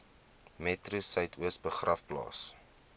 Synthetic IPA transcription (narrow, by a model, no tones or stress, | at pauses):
mɛtrusəjtʰuəsbəχrʔɐfplɑ̰ːs